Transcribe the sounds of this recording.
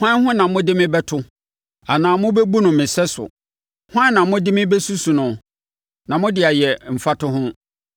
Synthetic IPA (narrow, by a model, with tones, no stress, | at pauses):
hʷã˦hʊ̃˦nã˨mʊ̃˦dɪ˦mɪ̃˦bɛ˦tʰʊ˦ | a˨nãː˨mʊ̃˦bɛ˦bu˦nʊ̃˨mɪ̃˨sɛ˦sʊ̰˨ | hʷã˦nã˨mʊ̃˦dɪ˦mɪ̃˦bɛ˦su˦su˨nʊ̃˨ | nã˨mʊ̃˦dɪ˨a˨jɛ˨m̩˨fa˦tʰʊ˦ɦʊ̃˦